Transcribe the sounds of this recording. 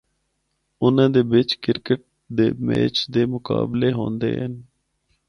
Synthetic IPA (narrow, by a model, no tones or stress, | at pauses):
ʊnãːd̪eːbɪt͡ʃkɪɾkəʈ̚ | d̪eːmḛːt͡ʃd̪eːmʊka̰ːbleːɦõːnd̪ḛːɦən